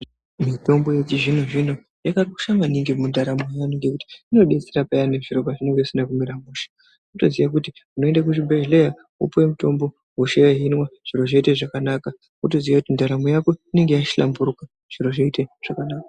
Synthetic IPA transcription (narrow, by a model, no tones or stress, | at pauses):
mito̞mbo̞jet͡ʃiʐinoʐino̞ | jakariku̥ʃamaniŋɡimundaɾamojanoŋɡe̞kuti̥ino̞ɗe̞t͡seɾapajane̞ʐiɾo̞paʐine̞ŋɡeisinakumiɾamuʃḁ | uto̞ziʋak̬utiunoendak̬uʐibʱeʒleja | ṵpwemuto̞mbo̞ | uʃejaɦinwaʐ̥iɾo̞ʐoiteʐakanaːka | uto̞ziʋakutindaɾamojako̞ine̞ŋɡe̞jaʃi̥ɬa̰mbuɾuka | ʐ̥iɾo̞ʐoiteʐ̥akanaːka